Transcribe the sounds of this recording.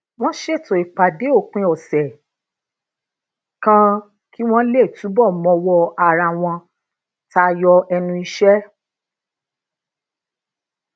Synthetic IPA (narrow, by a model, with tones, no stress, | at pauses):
w̃ɔ̃˦ʃe˦˨tɔ̃˨i˨k͡pa˨de˨˦o˦˨k͡pĩ˧˦ɔ˨sɛ˨ | kã˧ | ki˦w̃ɔ̃˦le˦˨tu˨˦bɔ˦˨mɔ̃˧wɔ˧a˧˨ɾa˧w̃ɔ̃˧ | ta˧jɔ˧ɛ˧nũ˧i˧ʃɛ˦